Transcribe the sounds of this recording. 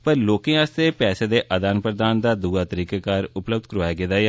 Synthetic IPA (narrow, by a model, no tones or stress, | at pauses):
pəɾloːkẽːast̪eːpɛːseːd̪eːʔəd̪aːnpɾəd̪aːnd̪aːd̪uːaːt̪əɾiːkaːkaːɾʊpləbd̪kɾʋaːjaːɡeːd̪aːj